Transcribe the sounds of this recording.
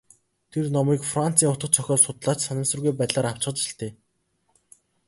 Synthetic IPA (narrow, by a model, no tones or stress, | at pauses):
t̪ʰernɔmiːkfran̥t͡sʰiːŋʊt̪ɢə̆t͡ɕʰɔxʲɔːsʊt̪ɮaːt͡ɕsanə̆sə̆rɣujpæt̪ɮaːɾaw̥t͡ɕ̆ɢə̆t͡ɕɪ̥̆ɬt̪ʰeː